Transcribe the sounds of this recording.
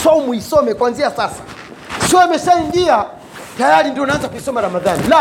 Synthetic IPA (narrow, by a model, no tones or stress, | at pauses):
saumuisɔmɛkwanziasasḁ | sɔmɛsaɲʄia | tajaɾindiɔnaanzakuisɔmaɾamaðanila